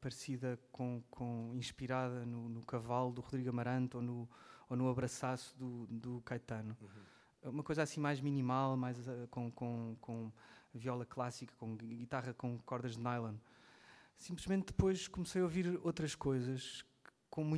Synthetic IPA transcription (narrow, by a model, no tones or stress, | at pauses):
pɐɾsiðɐkõkʰõĩʃpiɾaðɐnunukɐvalˠd̪uʁuðɾiɣɐmɐɾɐ̃nt̪onuonuɐβɾɐsasuðud̪ukajt̪ɐnu | umɐkojzasĩmajʒminimalˠmajzkõkõkʰõviɔlˠɐklˠasikɐ̥kõɡit̪aʁɐkõkɔɾðɐʒðnajlˠɐ̃nd̪ | sĩmplˠɨʒmẽnt̪̚d̪ɨpojʃkumsɐjoviɾot̪ɾɐʃkojzɐʃ | kõmũ